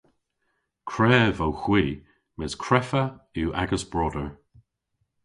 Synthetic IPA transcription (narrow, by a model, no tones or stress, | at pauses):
kʰɹɛːvowxwiː | mɪzkʰɹɛfəuːʔa̰ɡəsb̥ɹɔdəɹ